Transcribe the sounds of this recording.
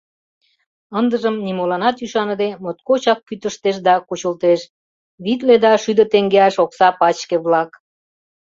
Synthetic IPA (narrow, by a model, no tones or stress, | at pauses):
ənd̪əʒəmnimolɑnɑt̪yʃɑnəd̪emot̪kot͡ɕɑk̚pːyt̪əʃt̪eʃd̪ɑkut͡ɕəlt̪eʃ | βit̪̬led̪ɑʃyd̪ət̪eŋɡeɑʃoksɑpɑt͡ɕkeβlɑk